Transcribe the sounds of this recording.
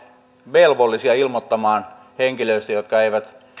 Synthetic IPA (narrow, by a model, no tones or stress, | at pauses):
ʋelʋolːisiɑilmot̪ːɑmɑːn | heŋkiløist̪æjot̪kɑeiʋæt̪